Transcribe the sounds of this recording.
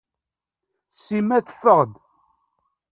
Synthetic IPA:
sːimæθə̥fːəʁd̪

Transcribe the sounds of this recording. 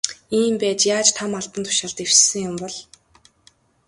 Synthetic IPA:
iːmpæːt͡ɕjaːt͡ɕt̪ʰamaɮp̪ə̆nt̪ʰʊ̥ʃăɮt̪ew̥sɘ̆ŋjʊmpɔɮ

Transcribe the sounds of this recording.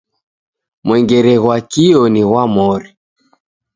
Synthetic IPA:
mwɛŋɡɛɾɛɣwakiɔniɣwamɔɾi

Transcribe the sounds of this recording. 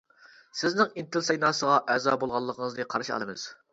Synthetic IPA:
sɪznɪŋint̪ɪlsɑjnɑːsəʁɑʔɛzɑ̰ːbolˠʁɑlˠːəqʰəŋəznɨqʰɑɾʃiɑ̰lˠɨmɨ̰z̥

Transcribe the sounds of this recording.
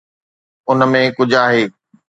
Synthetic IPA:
ʊnəmẽkʊd͡ʑʱaːɦeː

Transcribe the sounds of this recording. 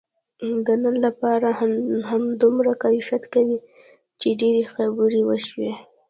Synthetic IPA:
ɡanənlapɑɾahamd̪umɾakajiʃat̪kawi | t͡ʃeɖeɾexabuɾiwəʃwe

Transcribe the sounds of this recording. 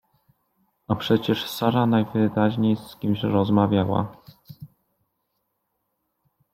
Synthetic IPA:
apʂɛt͡ɕɛʂsaɾanajvɘɾaʑɲejskʲimɕɾɔzmavʲjawa̰

